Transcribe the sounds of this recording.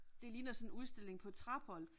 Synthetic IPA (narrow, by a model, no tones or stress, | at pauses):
d̥e̝liːnɐsɒ̽nuð̞ˠsd̥e̝l̰e̝ŋpʰɒ̽t͡sʰʁɑ̈b̥ɒl̰